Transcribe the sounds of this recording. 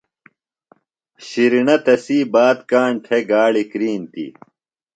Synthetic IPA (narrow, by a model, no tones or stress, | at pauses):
ɕiɾinɐt̪ɐsiːbaːt̪kaːɳʈʰeɡaːɭikɾiːnt̪ḭ